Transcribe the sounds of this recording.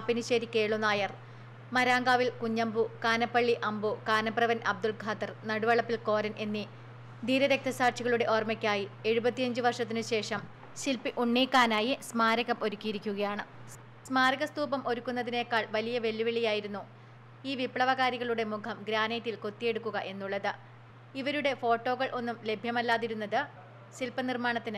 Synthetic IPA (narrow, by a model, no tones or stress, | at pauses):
ɐpːiniɕeːɾikːe̞ːɭunaːjɐr | mɐɾaːŋɡaːʋilkuɲːɐmbukaːnɐpːɐɭːiʔɐmbukaːnɐpːrɐʋɐnɐb̚d̪uɭɡʱaːt̪ɐrnɐɽuʋɐɭɐpːilko̞ːɾɐnʔe̞nːi | d̪ʱiːɾɐɾe̞k̚t̪ʰɐsaːrt͡ɕiɣɐɭuɽe̞ʔo̞ːrmɐkʲːaːjie̞ɻubɐt̪ːijɐɲd͡ʑɨʋɐrʂɐt̪̬ːinɨɕe̞ːʂɐm | ɕilpiʔuɳːiːkːaːnaːjismaːɾɐɣɐmʔo̞ɾukʲːijiɾikʲːuɣɐjaːɳɨ | smaːɾɐɣɐst̪uːbɐmʔo̞ɾukːunːɐðine̞ːkːaːɭʋɐlijɐʋe̞lːuʋiɭijaːjiɾunːu | iːʋipɭɐʋɐɣaːɾiɣɐɭuɽe̞mukʰɐmɡɾaːnet̪ːilko̞t̪ːije̞ɽukːuɣɐʔe̞nːuɭːɐðɨ | iʋɐɾuɽe̞fo̞ːʈːo̞ːɣɐɭʔo̞nːumle̞bʱjɐmɐlːaːðiɾunːɐðɨ | silpɐnirmaːɳɐt̪ːinɨ